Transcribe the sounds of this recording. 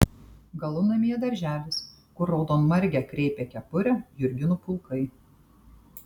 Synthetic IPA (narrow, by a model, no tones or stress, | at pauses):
ɡɐlˠʊnɐmʲiːɛd̪ɐɾʲʒʲæːlʲɪs | kʊɾːoʊd̪oːnmɐɾʲɡʲækɾʲɛɪpʲekʲɛpʊɾʲɛjʊɾʲɡʲɪnʊpʊlˠˑkɐɪ